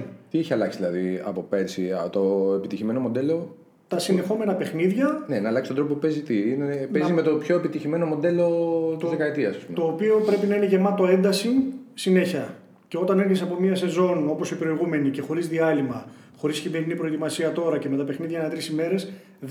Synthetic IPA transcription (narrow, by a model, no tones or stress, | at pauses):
t̪ieçiɐlɐksiðilɐðiɐ̰po̞peɾsiɐt̪oepit̪içime̞no̞mo̞d̪e̞lo̞ | t̪ɐsine̞xo̞me̞nɐpe̞xniðʝɐnenɐːlɐksi̥st̪ond̪op̬oupe̞zit̪iinepezimet̪o̞pço̞epit̪içime̞no̞mo̞d̪e̞lo̞t̪izzðekɐet̪iɐsɐspumeo̞ːpio̞pɾe̞pinɐine̞ʝe̞mɐt̪o̞e̞nd̪ɐsisine̞çɐ | ce̞ot̪ɐne̞ɾçesɐpo̞miɐse̞zo̞no̞po̞sipɾo̞iɣume̞nice̞xo̞ɾizðiɐlimɐ | xo̞ɾiscimeɾinipɾo̞et̪imɐsiɐt̪o̞ɾɐceme̞t̪ɐpe̞xniðʝɐnɐt̪ɾisime̞ɾe̞s